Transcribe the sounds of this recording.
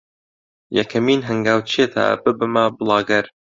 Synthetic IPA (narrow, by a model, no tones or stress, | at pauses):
jɛkʰɐmiːnɦɨŋɡaːwt͡ʃʰet̪ʰa̰bɨbɨmabɨlˠɑːɡɐɾ